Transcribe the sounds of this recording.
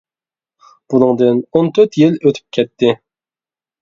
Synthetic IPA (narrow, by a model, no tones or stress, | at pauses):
b̥unɨŋd̪ɨnont̪ʰøɾt̪jɪløt̪ʰy̥p̚kʲʰɛt̪ʰːɪ